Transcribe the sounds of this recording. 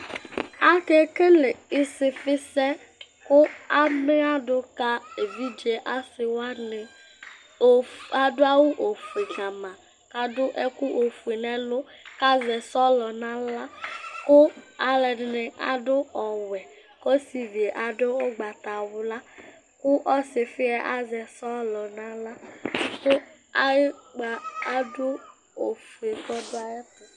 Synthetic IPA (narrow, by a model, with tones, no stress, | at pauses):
a˦ke˦ke˦le˨i˦sɪ˨fɪ˦sɛ˦ | kʊ˦a˦me˦a˦ɖʊ˦ka˦e˨vi˦d͡ʒe˨ʔa˦sɪ˨wa˦nɪ˨ | a˨do˦a˦wu˦ʔo˨fu˨e˨ɡã˨mã˨ | ka˦dʊ˦ʔɛ˦ku˦ʔo˨fu˨e˨nɛ̃˦lʊ˦ka˦zɛ˨sɔ˦lɔ˨nã˦la˦kʊ˦a˨lɛ˨dɪ˨nɪ˨a̰˨dʊ˦ɔ˨wɛ˨ | kɔ˦si˨ve˨ʔa˨dʊ˦ʊ˦ɡ͡ba˨t̪a˨wʊ˨la˦ | kʊ˦ʔɔ˦sɪ˨fɪ˦ɛ˦ʔa˦zɛ˨sɔ˦lɔ˨nã˦la˦sʊ˦a˦ɡ͡ba˨a˦dʊ˦ | o˨fu˨e˨kɔ˦dʊ˦a˦jɛ˦pʊ˨